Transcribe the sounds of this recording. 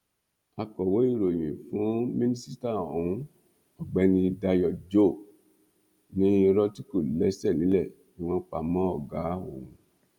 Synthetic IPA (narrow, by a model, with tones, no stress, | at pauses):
a˧kɔ˨wo˨˦i˦˨ɾo˨j̃ĩ˨fũ˨˦mĩ˦nĩ˦si˦ta˦˨o˨wũ˦ | ɔ˨ɡ͡bɛ˨˦nĩ˧da˧jɔ˧d͡ʒo˦˨ | nĩ˦i˧ɾɔ˦ti˦ko˦˨lɛ˦sɛ˦˨ĩ˨˦lɛ˦˨ | i˨w̃ɔ̃˧k͡pa˨˧mɔ̃˦ɔ˦˨ɡa˨˦o̰˨ũ˨˧